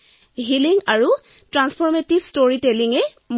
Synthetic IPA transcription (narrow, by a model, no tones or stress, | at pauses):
ɦiliŋaɹu | tɹanspʰɔɹmetibstoɹitɛliŋɛ | m